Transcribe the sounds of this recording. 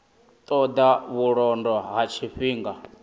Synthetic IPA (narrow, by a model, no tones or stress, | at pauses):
t̪ʼɔd̪aβuɺɔndɔɦat͡ʃʰiɸiːŋɡa